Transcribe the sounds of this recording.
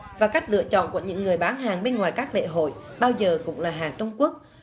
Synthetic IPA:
vaː˨˩ka˦˥jk̟̚lɨ̰˧˨ət͡ɕɔ̰˧˨nku˧˩əɲɨ̰˧˥ŋːɨ˨˩əjɓaː˨˦nɦaː˨˩ŋɓe˧nŋwaː˨˩jkaː˦˥k̚lḛ˧˨ɦo̰˧˨jɓaː˧wzəː˨˩kʊ̰˧˥ŋ͡mlaː˨˩ɦaː˨˩ŋt͡ɕə˧wŋ͡mku˦˥ək̚

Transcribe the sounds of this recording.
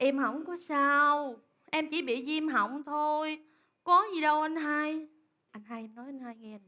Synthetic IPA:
ʔɛ˧mɦə̰˧˩˨wŋ͡mkɔ˨˦saː˧w | ʔɛ˧mt͡ɕḭ˧˩ɓḭ˧˨zi˧mɦə˨˧˨wŋ͡mt̪ʰo˧j | kɔ˨˦zi˨˩ɗə˧wʔa˧jn̟ɦa˧j | ʔa˧jŋ̟ɦaː˧jʔɛ˧mnɔ˨˦jʔa˧jn̟haː˧jŋɛ˧

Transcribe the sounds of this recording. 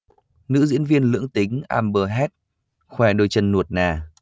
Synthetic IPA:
nɨ̰˧˥zḭ˧˥ənvi˧ənlɨ̰˧˥əŋt̪ï˨˦ŋ̟ʔa̰ː˧mɓəː˨˩ɦɛ˦˥t̚ | xwɛ˧˩ɗo˧˩jt͡ɕə˧nːu˨˩ət̚naː˨˩

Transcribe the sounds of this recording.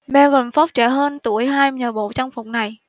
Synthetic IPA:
mɛ˧wə˨˩nfɔ˦˥p̚t͡ɕɛ˧˩ɦəː˧nt̪u˧˩əjɦaː˧jɲəː˨˩ɓo̰˧˨t͡ɕa˧ŋ͡mfʊ˨˩k͡p̚na˨˩j

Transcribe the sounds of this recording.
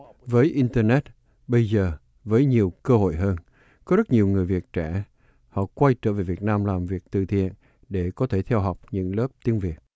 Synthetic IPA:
vəː˨˦jʔi˧nt̪əː˧nɛ˦˥t̚ | ɓə˧jzəː˨˩ | vəː˨˦jɲi˨˩əwkəː˧ho̰˧˨jɦəː˧n | kɔ˨˦zə˦˥t̚ɲi˨˩əwŋɨ˨˩əjvi˨˩ət̚t͡ɕɛ˧˩ | hɔ̰˧˨kwa˧jt͡ɕəː˧˩ve˨˩vi˨˩ət̚naː˧mlaː˨˩mvi˨˩ək̚t̪ɨ̰˧˨t̪ʰḭ˧˨ən | ɗe˧˩kɔ˨˦t̪ʰe˧˩t̪ʰɛ˧wɦa˨˩wk͡p̚ɲɨ̰˧˥ŋləː˦˥p̚t̪i˨˦ənvi˨˩ət̚

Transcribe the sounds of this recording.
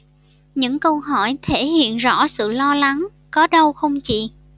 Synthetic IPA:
ɲɨ̰˧˥ŋkə˧wɦɔ˧˩jt̪ʰe˧˩hḭ˧˨ənzɔ̰˧˥sɨ̰˧˨lɔ˧la˨˦ŋ | kɔ˨˦ɗə˧wxə˧wŋ͡mt͡ɕḭ˧˨

